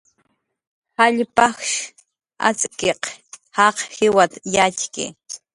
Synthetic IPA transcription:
haʎpɑxʃ | a̰t͡sʼkeqhɑqhɪwat̪jat͡ʃkɪ̰

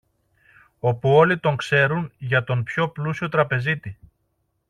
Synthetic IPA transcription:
o̞puo̞lit̪o̞ŋkse̞ɾunʝɐt̪o̞mpço̞plusio̞t̪ɾɐpe̞zit̪i

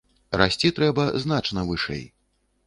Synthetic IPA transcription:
ɾasʲt͡sʲit̪ɾɛbɐzn̪at͡ʂnɐvɨʂɛ̰j

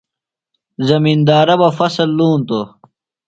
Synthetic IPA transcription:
zɐmiːnd̪aːɾɐbɐfɐsɐlːuːnt̪o

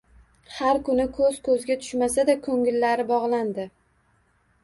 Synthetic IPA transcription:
haɾkʊnɪkʰɵz̥kʰɵzɡʲat̪ʰʊ̥ʃmas̬ad̪akʰɵŋɪlːaɾɪbɒʁlˠand̪ɪ

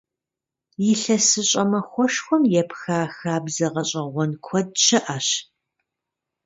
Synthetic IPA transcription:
jɪɬɐsɨɕʼɐmɐxʷɔʂxʷɔmjɛpxaːxaːbzɐʁɐɕʼɐʁʷɔnkʷʰɔd̚ʃʰɐʔaɕ

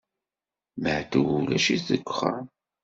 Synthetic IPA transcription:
məʕt̪əwulæʃizəkʷːχə̰

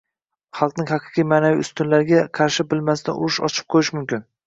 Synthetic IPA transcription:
χɑlˠqnɪŋhɑqʰɨ̥qʰijmaːnaviʊst̪ʊnlaɾɪɡʲaqʰɑɾʃɪbɪlmasɪd̪a̰ʔʊ̰ɾɪʃɒ̰t͡ʃʰɪ̥p̚qʰojɪʃmʊmkʲɪn

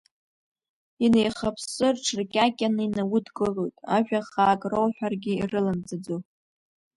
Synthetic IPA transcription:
ine̞jχapʰsɨrʈ͡ʂʰrkʲʼakʲʼanɨinawʊdɡʼɨʕʷojtʼa̰ʒᶣaχaːkʼrowħʷᶣarɡʲɪirɨlamt͡sʼad͡zo

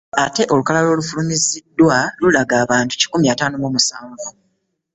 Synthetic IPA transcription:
ate̞ʔo̞lukalalo̞ːlufulumizidːwalulaɡaːβaːntu̥ci̥kumjaːtaːnoβwomusaːŋɡo

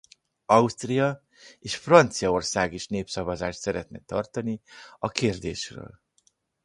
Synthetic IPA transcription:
ɒust̪rijɒ | eːʃfrɒnt̪sijɒo̞rsaːɡiʃneːpsɒvɒzaːʃt̪sɛɾɛt̪̚nɛt̪ɒrt̪ɒniɒkeːrd̪ḛːʃrø̰ːl

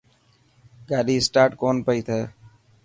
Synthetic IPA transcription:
ɡaːliːsʈaːʈkoːnpəiːt̪ʰeː

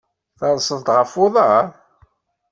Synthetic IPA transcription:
θɑnsənt̪ʁəfʊðˤɑ

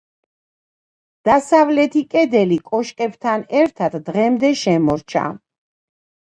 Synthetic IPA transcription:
d̪̥asavlɛt̪ʰikʼɛd̪ɛlikʼɔʃkʼɛbt̪ʰanɛɾt̪ʰat̪d̪ʁɛmd̪ɛʃɛmɔɾt͡ʃʰa̰

